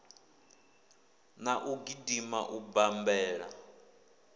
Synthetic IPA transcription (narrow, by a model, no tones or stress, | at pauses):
naʔuɡidima̰ʔubambɛːɺa̰